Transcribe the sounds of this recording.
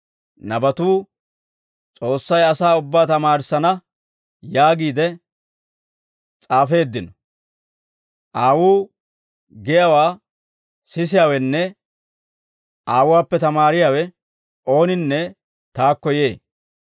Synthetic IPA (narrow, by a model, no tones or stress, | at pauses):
nɐbɐt̪uː | t͡sʼo̞ːsːɐjɐsaːʊbːaːt̪ɐmaːɾɪsːɐnɐ | jaːɡiːd̪ɛ | t͡sʼaːfe̞ːd̪ːɪnɔ | ʔaːwuː | ɡɛjawaː | sɪsɪjaːwɛnːɛ | ʔaːwʊwaːpːɛt̪ɐmaːɾɪjaːwɛ | ʔo̞ːnɪnːɛ | t̪aːkːɔje̞ː